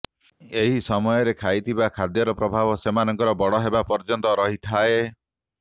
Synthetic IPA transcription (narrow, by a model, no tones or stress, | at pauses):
eɦisɔmɔjɔɾekʰajt̪ʰibakʰad̪jɔɾɔpɾɔbʱabɔsemanɔŋkɔɾɔbɔɽɔɦebapɔɾd͡ʒɔnt̪ɔɾɔɦit̪ʰae